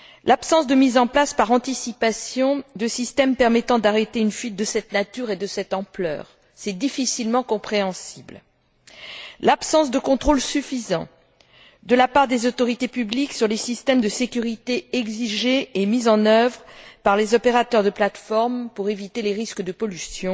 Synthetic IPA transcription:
lapsɑ̃sd̪əmizɑ̃plaspaʁɑ̃t̪isipasjɔ̃d̪əsist̪ɛmpɛʁmɛt̪ɑ̃d̪aʁet̪eynfɥit̪̚d̪əsɛt̪nat̪yʁed̪əsɛt̪ɑ̃plœ̰ːʁ | sɛd̪ifisilmɑ̃kɔ̃pχeɑ̃sibl | lapsɑ̃sd̪əkɔ̃t̪χolsyfizɑ̰̃ | d̪əlapaʁd̪ezot̪ɔʁit̪epybliksyʁlesist̪ɛmd̪əsekʲyʁit̪eɛɡziʒeːmizɑ̃nœvʁpaʁlezɔpeʁat̪œʁd̪əplat̪fɔʁmpuʁevit̪eleʁiskəd̪əpɔlysjɔ̃

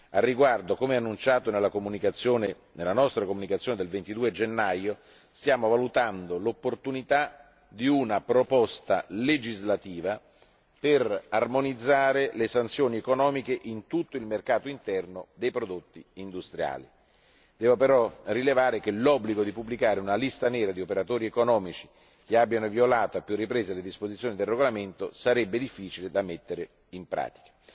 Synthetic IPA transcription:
arːiɡward̪okomeɛanːunt͡ʃaːt̪onelːakomunikat̪sːjoːne | nelːanɔst̪ɾakomːunikat̪sjoːned̪elvent̪id̪uːed͡ʒenːajo | st̪jaːmovalut̪and̪olopːort̪unit̪a | d̪iunapɾopɔst̪a̰led͡ʒizlat̪iːva | perarmonid̪zːaːɾelesant̪sjoːniekonɔːmikeʔint̪ut̪ːoilmerkaːt̪oint̪ɛrnod̪ejpɾod̪ot̪ːiːnd̪ust̪ɾja̰ːli | d̪̥ɛːvopeɾɔrilevaːɾek̟elɔbːliɡod̪ipubːlikaːɾeunalist̪anɛːɾad̪iopeɾat̪oːɾiekonɔːmit͡ʃi̥ | k̟eabːjanovjolaːt̪oapːjurːipɾeːzeled̪ispozit̪sjoːnid̪elrːeɡolament̪osaɾɛbːed̪ifːiːt͡ʃiled̪amet̪ːeɾe | impɾa̰ːt̪i̥kḁ

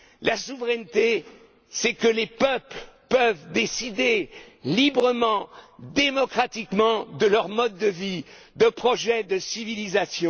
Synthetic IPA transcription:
lasuvʁɛnt̪e | sɛkəlepœplpœvd̪esid̪elibʁəmɑ̃d̪emɔkχat̪ikmɑ̃d̪əlœʁmɔd̪ːəvi | d̪əpχɔʒɛd̪əsivilizasjɔ̃

